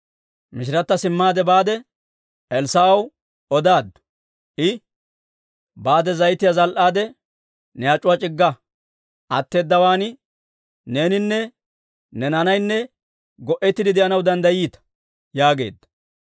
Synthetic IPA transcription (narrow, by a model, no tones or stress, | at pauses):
mɪʃ̬ɪɾɐt̪ːɐsɪmːaːd̪ɛbaːd̪ɛ | ɛlsaɐw | ɔd̪aːd̪ | ʔɪ | baːd̪ɛzɐjt̪ɪjazɐlʔaːd̪ɛ | nɛjaːt͡ʃʼʊwɐt͡ʃʼɪɡːɐ | ʔɐt̪ːe̞ːd̪ːɐwaːn | ne̞ːnɪnːɛ | nɛnɐnɐjnːɛ | ɡɔʔɛt̪ːɪd̪ɪd̪ɛʔɐnɐwd̪ɐnd̪ɐjiːt̪ɐ̥ | jaːɡe̞̰ːd̪ːɐ